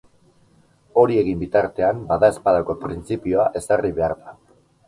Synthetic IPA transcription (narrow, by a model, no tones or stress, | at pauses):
o̞ɾie̞ɣimbit̪aɾt̪e̞ambaðae̞spaðako̞pɾint͡sipio̞aʔe̞sariβe̞aɾða